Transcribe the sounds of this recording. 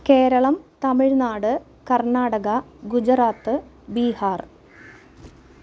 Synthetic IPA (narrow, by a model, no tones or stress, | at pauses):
ke̞ːɾɐɭɐmt̪ɐmiɻnaːɽɨ | kɐrnaːɽɐɣɐɡud͡ʑɐraːt̪ːɨ | biːhaːr